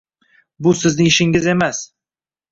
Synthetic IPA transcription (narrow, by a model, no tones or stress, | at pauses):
bʊsɪznɪŋɪʃɪŋɪze̞mas